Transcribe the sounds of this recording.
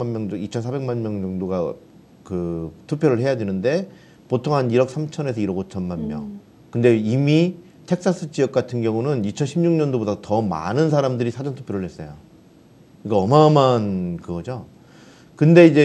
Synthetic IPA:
manmjʌŋŋit͡ɕʰʌnsʰabe̞ŋmanmjʌŋd͡ʑʌŋdoɡa | kɯtʰupʰjʌɾɯɭhe̞jadwe̞nɯnde̞ | potʰoŋɦaniɾʌk̚s͈ʰamt͡ɕʰʌne̞s̬ʰʌiɾʌɡot͡ɕʰʌnmanmjʌ̰ŋ | kɯnde̞imi | tʰe̞k̚s͈as͈ʰɯt͡ɕijʌk̚k͈atʰɯnɡjʌŋunɯnit͡ɕʰʌnɕʰimɲuŋɲʌndobodatʌma̰nɯns̬ʰaɾamdɯɾisʰad͡ʑʌntʰu̥pʰjʌɾɯɭhes͈ʌjo | iɡaʌmamankɯɡʌd͡ʑo | kɯnde̞id͡ʑe̞

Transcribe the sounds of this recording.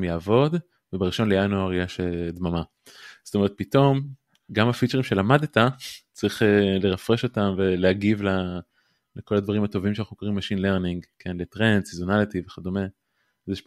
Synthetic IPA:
jaːvo̞d̪ | vebeʁiʃo̞nlejanuaʁjeʃed̪mama | zo̥tome̞ʁ̞et̪̚pito̞m | ɡamafit͡ʃeʁimʃe̞lamad̪et̪at͡saʁiχeleʁafʁeʃo̞tamve̞leaɡivla | leko̞ladvaʁimhat̪o̞vimʃeanaχnukoʁimbeʃinle̞ʁniŋɡkʰenletʁe̞nsizonalit̪iveχad̪ome̞ | zeʃ

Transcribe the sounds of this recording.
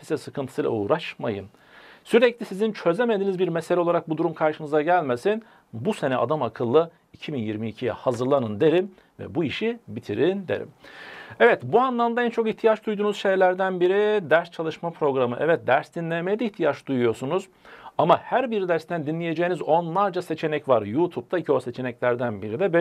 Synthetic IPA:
fisɛsɯkʰɯnt̪ʰɯ̥sɯjlˠa̰uːɾaʃma̰jɯ̰n | syɾɛclʲisizint͡ʃʰø̞zeme̞d̪iːnizbiɾmeselʲɛolˠaɾak̚bud̪uɾumkʰaɾʃɯnɯzaɟælʲme̞sin | buse̞nɛa̰d̪amakʰɯlˠːɯ | icʰibinjiɾmiːcʰijɛ̰hazɯɾlˠanɯnd̪e̞ɾim | vɛ̰buiʃibit̪ʰiɾind̪e̞̰ɾḭmɛvɛt̪buanlˠamd̪aɛnt͡ʃʰo̞kiht̪ʰijat͡ʃd̪ujd̪uːnuz̥ʃe̞jlʲæɾd̪ænbiɾid̪æɾst͡ʃʰalˠɯʃmapʰɾo̞ɡɾamɯʔɛvɛt̪̚d̪æɾsd̪inlʲemejid̪ɛiçt̪ʰijat͡ʃd̪̥ujujo̞sunuz | amahæɾbiɾid̪æɾst̪ʰænd̪inlʲije̞d͡ʒe̞jinizo̞nlˠaɾd͡ʒase̞t͡ʃʰe̞nɛcvaɾjuːt̪ʰup̚t̪ʰaicʰose̞t͡ʃʰe̞nɛclʲæɾd̪ænbiɾid̪ɛb

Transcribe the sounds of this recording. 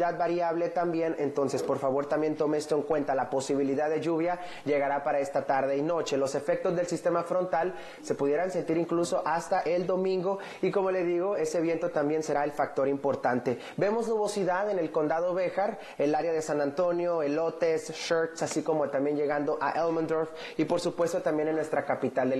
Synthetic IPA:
að̚baɾjaβle̞t̪ambje̞ne̞nt̪o̞nse̞spo̞ɾfaβo̞ɾt̪ambje̞nt̪o̞meest̪o̞e̞ŋkwe̞nt̪alapo̞siβ̞iliðaðːe̞ʝuβ̞ja | ʝe̞ɣaɾapaɾae̞st̪at̪aɾðe̞ino̞t͡ʃe̞lo̞se̞fe̞k̚t̪ozðe̞lsist̪e̞mafɾo̞nt̪al | se̞puðje̞ɾanse̞nt̪iɾiŋkluso̞ʔast̪aʔe̞ld̪o̞mĩŋɡo̞ | iko̞mo̞le̞ðiɣo̞e̞se̞βje̞nt̪o̞t̪ambje̞nse̞ɾae̞lfak̚t̪o̞ɾimpo̞ɾt̪ant̪e̞ | be̞mo̞znuβo̞siðaðe̞ne̞lko̞nd̪að̞o̞βe̞xaɾ | elaɾjaðe̞sanant̪o̞njo̞elo̞t̪e̞sʃoɾt̪sasiko̞mot̪ambje̞nd͡ʒe̞ɣand̪o̞ʔa̰ʔelmãnd̪ɾoɾf | ipo̞ɾsupwe̞st̪ot̪ambjenenːwe̞st̪ɾakapit̪ald̪e

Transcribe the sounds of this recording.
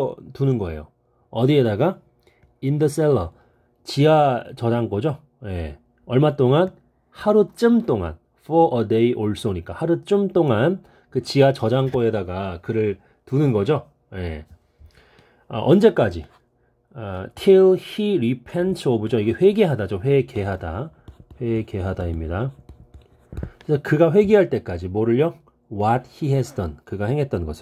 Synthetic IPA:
tunɯnɡʌe̞̰jo̰ | ʌdie̞daɡa | indɯs͈elːʌ | t͡ɕiat͡ɕʌd͡ʑaŋk͈ʌd͡ʑo | je̞̰ | ʌɭmat͈oŋan | haɾut͡ɕ͈ɯmt͈oŋa̰n | fʰʌʔʌdeiʔoɭs͈oɲik͈ahaɾut͡ɕ͈ɯmt͈oŋan | kɯt͡ɕiwat͡ɕʌd͡ʑaŋk͈oe̞daɡakɯɾɯɭ | tunɯnɡʌd͡ʑo | je | ʌ̰ʔʌnd͡ʑe̞k͈ad͡ʑi | ʌtʰilhiɾipʰentʰʌbɯd͡ʑoiɡe̞ɸwe̞ɡeɦadad͡ʑoɸwe̞ke̞ɦadaɸwe̞ke̞ɦadaimɲida | kesʰʌkɯɡaɸwe̞ɡiɦaɭt͈e̞k͈ad͡ʑimoɾɯɭːʌ | wʌt̚hiɦɛsʰdʌnkɯɡahe̞ŋɦe̞t̚t͈ʌnɡʌsʰe

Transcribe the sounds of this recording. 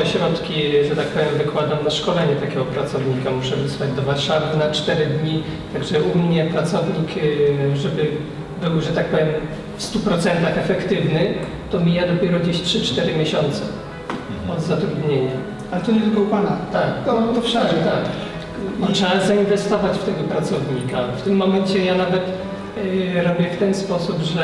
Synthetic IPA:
ɛɕɾɔt̪kʲiʐɛt̪ak̚pɔvʲjɛmvɘkwad̪ɔmnaʂkɔlɛɲɛt̪akʲɛɡɔpɾat̪sɔvɲikamuʂɛvɛswad͡ʑd̪ɔvaɾʂavɘnat͡ʂt̪ɛɾɘd̪ɲi | t̪aɡʐɛʔumɲɛpɾat̪sɔvɲikʐɛbɘ | bɘwʐɛt̪ak̚pɔvʲjɛm | fst̪upɾɔt̪sɛnt̪axɛfɛkt̪ɘvnɘ | t̪ɔmʲijad̪ɔpʲjɛɾɔd͡ʑeɕtʂɘt͡ʂt̪ɛɾɘmʲjeɕɔnt̪sɛ | ɔd̪zat̪ɾud̪ɲeɲa | alɛt̪ɔɲɛt̪ɪlkɔupanat̪ak̪ɔt̪ɔfʂaɛt̪ak | tʂazainvɛst̪ɔvat͡ɕft̪ɛɡɔpɾat̪sɔvɲikaft̪ɘmːɔmɛɲt͡ɕɛjanavɛt̪ | ɾɔbʲjɛft̪ɛnspɔsupʐɛ

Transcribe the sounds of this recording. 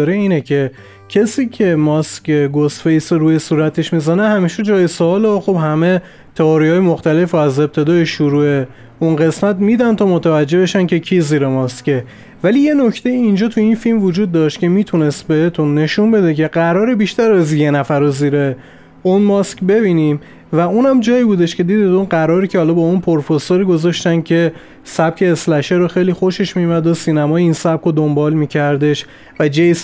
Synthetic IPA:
ɾeiːnecʰe̞ | cʰesiːcʰemɒscʰeɡost̪fejsoɾuːjesuːɾæt̪ʰeʃmizænehæmiːʃed͡ʒɒːjesoɒːlxobhæme̞ | t̪ʰeɒːɾihɒːjemoxt̪æle̞fɾoæze̞p̚t̪ʰe̞d̪ɒːjeʃuɾuːe̞ | unɣe̞smæt̪miːd̪ænt̪ʰɒːmot̪ʰævæd͡ʒːe̞be̞ʃænce̞cʰiːziːɾemɒsce | væliːje̞no̞cʰt̪ʰe̞jiːnd͡ʒɒːt̪ʰuinfilmvod͡ʒuːd̪̚ːɒːʃt̪cʰe̞miːt̪ʰune̞st̪̚be̞het̪ʰunːe̞ʃunbe̞d̪ecʰe̞ɢæɾɒːɾebiʃt̪æɾæzjenæfæɾoziːɾe | unmɒskbe̞biːniːm | væunæmd͡ʒɒːibuːd̪e̞ʃcʲʰe̞d̪iːd̪id̪unɢæɾɒːɾicʰehɒlɒːbɒunpʰoɾfosoɾiɡo̞zɒʃt̪ænd̪̥cʰe̞ | sæb̥̚cʰe̞ːslæʃeɾoxe̞jlixoʃe̞ʃmijumæd̪osiːnæmɒːjeiːnsæb̥̚kʰod̪ombɒːlmiːcʰæɾd̪e̞ʃ | væd͡ʒejs

